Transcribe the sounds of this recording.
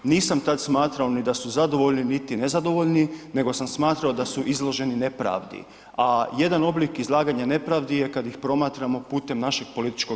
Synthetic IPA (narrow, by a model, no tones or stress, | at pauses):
niːsamt̪ad̪smaːt̪ɾaonid̪asuzad̪o̞ʋo̞ʎninit̪ine̞zad̪o̞ʋo̞ʎnine̞ɡo̞samsmaːt̪ɾaod̪asuʔizlˠo̞ʒe̞nine̞pɾa̰ːʋd̪ḭ | aje̞d̪ano̞blikizlˠaːɡaɲane̞pɾaʋd̪ije̞kad̪jixpɾo̞maːt̪ɾamo̞puːt̪e̞mnaʃe̞ɡ̚po̞lit̪i̥t͡ʃko